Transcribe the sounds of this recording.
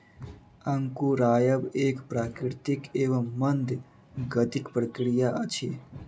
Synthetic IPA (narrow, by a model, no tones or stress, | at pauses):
ɐŋkuɾaːjəbeːkpɾaːkɾɪɾt̪ɪkeːʋəmːɐnd̪ | ɡət̪ɪkpɾəkɽijaʔɐt͡ʃʰeː